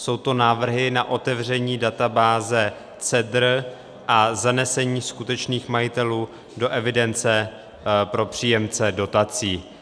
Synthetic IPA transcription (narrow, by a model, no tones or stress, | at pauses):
so̞wt̪o̞naːvr̩ɦɪnaʔo̞t̪ɛvrɛɲiːdat̪abaːzɛ | t͡sɛdr | ʔazanɛsɛɲiːskut̪ɛt͡ʃniːxmajɪt̪ɛluː | do̞ʔɛvɪdɛnt͡sɛ | pɾo̞pr̝̥iːjɛmt͡sɛdo̞t̪at͡siː